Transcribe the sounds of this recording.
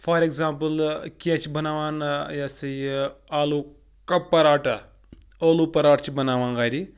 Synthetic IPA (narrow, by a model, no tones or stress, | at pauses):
fɐːɾeɡzaːmpəlkʲeːt͡ʃibɐnaːʋaːnjasɐjaːluː | kɐpːɐɾaːʈɐ | oːluːpɐɾaːʈt͡ʃibɐnaːʋaːŋɡaːɾi